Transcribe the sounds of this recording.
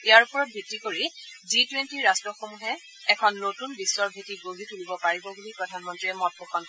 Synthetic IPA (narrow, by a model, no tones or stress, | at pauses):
iaɹupɔɹɔt̚bʱitːikoɹiditwentiɹastɹɔxomuɦɛ | ɛkʰɔnːotunbisːwɔɹbʱitiɡobʱitulibɔpaɹibɔbulipɹɔdʱanmɔntɹiɛmɔt̚pɔkʰɔn